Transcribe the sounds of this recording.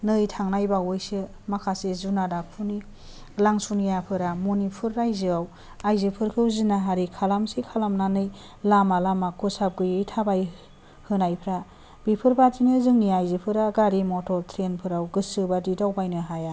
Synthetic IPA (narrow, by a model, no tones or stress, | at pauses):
nɯjtʰaŋnajbawɯjsɯ | makʰasezunadapʰuni | laŋsunijapʰɯɾamonipʰɯɾːajzɯaw | ajzɯpʰɯɾkʰɯzinaɦaɾikʰalamsikʰalamnanɯj | lamalamakʰɯsab̚ɡɯjɯjtʰabaj | hɯnajpʰɾa | bipʰɯɾbatinɯzɯŋniajzɯpʰɯɾaɡaɾimɔtɔɾtʰɾenpʰɯɾawɡɯsɯbadidawbajnɯɦaja